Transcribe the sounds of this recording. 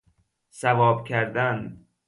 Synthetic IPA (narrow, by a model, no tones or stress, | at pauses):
sævɒːbcʲʰæɾd̪æn